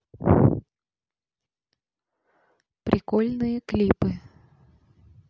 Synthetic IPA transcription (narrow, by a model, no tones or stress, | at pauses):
pɾʲʔɪkolʲnɨjəklʲipɨ